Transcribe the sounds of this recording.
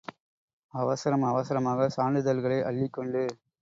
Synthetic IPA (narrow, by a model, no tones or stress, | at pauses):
ɐʋɐsɐɾɐmɐʋɐsɐɾɐmaːɣɐsaːɳɖɯðɐlɣɐɭɐɪʔɐɭːɪkːɔɳɖɯ